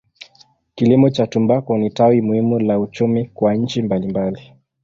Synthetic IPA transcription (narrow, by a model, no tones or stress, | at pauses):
kilimɔt͡ʃatumbakɔnitawimuhimulaut͡ʃumikwaɲ̩t͡ʃimbalimbali